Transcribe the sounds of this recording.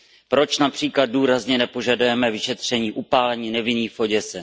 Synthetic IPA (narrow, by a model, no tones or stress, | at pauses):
pɾo̞t͡ʃnapr̥iːklad̪̚duːɾazɲɛnɛpo̞ʒadujɛmɛvɪʃɛt̪r̝̥ɛɲiːʔupaːlɛɲinɛvɪniːfoɟɛsɛ